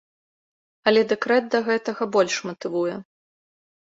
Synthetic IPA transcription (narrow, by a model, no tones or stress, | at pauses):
ɐlʲɛd̪ɛkɾɛd̪̚d̪ɐɣɛt̪ɐɣɐbɔlʲʂmɐt̪ɨvujɛ